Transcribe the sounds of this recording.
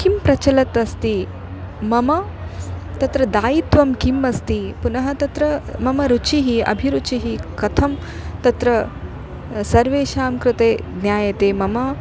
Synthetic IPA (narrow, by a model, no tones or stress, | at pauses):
kimpɾɐt͡ʃɐlɐt̪ɐst̪i | mɐmɐ | t̪ɐt̪ɾɐd̪aːjit̪ʋɐmkimɐst̪ipunɐɦɐt̪ɐt̪ɾɐmɐmɐɾut͡ʃʰiɦiɐ̰bʱiɾut͡ʃʰiɦikɐt̪ʰɐm | t̪ɐt̪ɾɐ | sɐɾʋeːʃaːmkɾɨt̪eːd̪njaːjɐt̪eːmɐmɐ